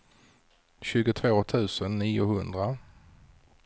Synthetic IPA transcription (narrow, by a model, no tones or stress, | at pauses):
ɕʉ̟ːɡʊt̪ʰvoːt̪ʰʉ̟ːsənːiːʊhɵnd̪ɾa